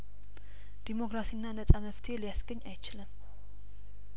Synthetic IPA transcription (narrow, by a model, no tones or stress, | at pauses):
d̪̥imo̞kʼɾasinːanəsʼaməft̪ʰe̞lijasɡəɲːajt͡ʃɪlɨm